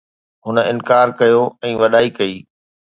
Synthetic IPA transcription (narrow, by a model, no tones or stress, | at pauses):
ɦʊnəɪ̃nkaːɾkɐjoɛ̃ːʋɐɗaːikɐiː